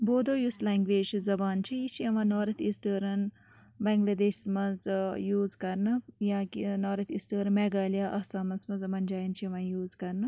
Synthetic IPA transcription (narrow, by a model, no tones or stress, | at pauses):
boːd̪oːjuslɛːŋɡʋeːd͡ʒzɐbaːnt͡ʃʰijit͡ʃʰiɐʋãːnoːɾɐt̪ʰisʈəːɾɐn | bɐŋɡlɐd̪eːʃsmɐt͡sjuːzkɐɾnɨjãːkinoːɾɐt̪ʰisʈəːɾɐmeɡaːlijaːʔɐsaːmɐsmɐzmɐnd͡ʒaːjint͡ʃʰiɐʋãːjuːzkɐɾnɨ